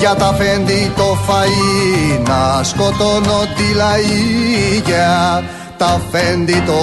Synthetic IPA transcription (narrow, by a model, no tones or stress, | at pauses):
ʝɐt̪ɐfend̪it̪o̞fɐinɐskot̪onot̪ilɐiʝɐ | t̪ɐfend̪it̪o